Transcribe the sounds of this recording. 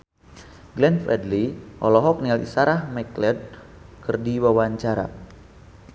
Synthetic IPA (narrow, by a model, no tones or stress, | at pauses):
ɡlɛnfɛdliɔ̰lɔɦɔk̚nialḭsaɾahmɛklɛd̚ | kɨrdiwawaɲt͡ʃaɾa̰